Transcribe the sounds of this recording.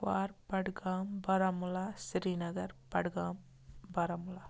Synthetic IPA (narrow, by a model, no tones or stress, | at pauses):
ʋaːɾpɐɽɯɣaːmbɐɾɐmʊlaːsɪɾiːnɐɣɐɾpɐɽɯɣaːm | bɐɾɐmʊlaː